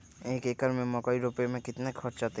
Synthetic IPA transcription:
ekekaɾmemɔkɔjɾopemekit̪nakʰɔɾt͡ʃat̪e

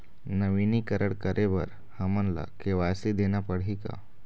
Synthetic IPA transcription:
nəʋiniːkəɾəɽkəɾʔeʋəɾ | həmənla̰keʋajsid̪enjapəɽika̰

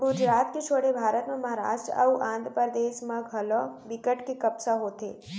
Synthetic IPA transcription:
ɡʊd͡ʒɾaːt̪ket͡ʃʰoːɽebʱaːɾət̪mẽmɐɦaɾa̰ːʃʈɾəɐ̰wʔãːnd̪ʱɾəpəɾd̪eːʃmãɡʱɐloʋɪkəʈkekɐbsaɦoːt̪ḛː

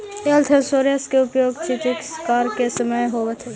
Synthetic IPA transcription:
elt̪ʰesoːɾjɐskeʊpjoːɡt͡ʃit̪ɪkskaːɾkesɐməjɦoːʋet̪ʰe

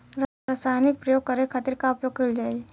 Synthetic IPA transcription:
ɾasaːnɪk̚pɾɐjoːɡ̚kɐɾekʰɐt̪iɾkaʊpjoːɡ̚kʰild͡ʒaːe

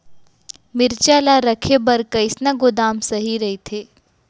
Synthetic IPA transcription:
mɪɾt͡ʃaːlaɾɐkʰebɐɾkɐɪsnaɡʊd̪aːmsɐɦiɾɐɦit̪ʰeː

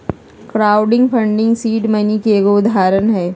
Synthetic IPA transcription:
kɾaːʊɖɪ̃ŋɡpʰɐ̃ɳɖɪ̃ŋɡsiːʈmənikeɡoʊd̪ʱaːɾənɦɛː

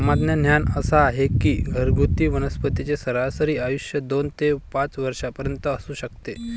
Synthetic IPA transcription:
mad̪njən̤janəsaːɦekiːɡʱəɾɡut̪iːʋənəspət̪it͡sesəɾasəɾiːajuɕjəd̪ont̪epãt͡sʋəɾʂapəɾjənt̪əːsuːɕəkt̪e

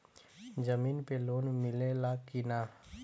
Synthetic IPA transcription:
d͡ʒəmiːnpeloːnmɪlelakinaː

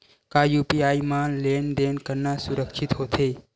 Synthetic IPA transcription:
kajuːpiaːimanleːnd̪eːnkəɾnasʊɾəkʃʰɪt̪ɦot̪ʰe

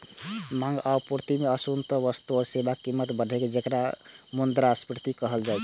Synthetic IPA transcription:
mãŋɡapuɾt̪imeəsunt̪əbəst̪oɾsebakːimːət̪bəɖʱeked͡ʒekɾa | mond̪ɾaspɾt̪ikəɦəld͡ʒajt͡ʃʰ

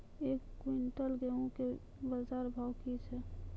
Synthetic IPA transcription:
ekːwiɳʈəlɡeũke | bəzaɾbʱawkit͡ʃʰɛ

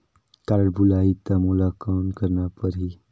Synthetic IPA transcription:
kaɾɽbulait̪amulakawnkəɾnapəɾi

